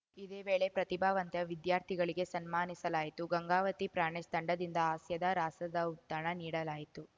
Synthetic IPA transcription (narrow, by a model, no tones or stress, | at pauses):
id̪eːʋeːɭe̞pɾɐt̪ibʱaːʋɐnt̪jɐʋid̪jaːɾt̪ʰiɡɐɭiɡe̞sɐnmaːnisɐlaːjit̪uɡɐŋɡaːʋɐt̪ipɾaːɳɛst̪ɐɳɖɐd̪ind̪ɐaːsjɐd̪ɐɾaːsɐd̪ɐut̪ːaːɳɐniːɽɐlaːjit̪u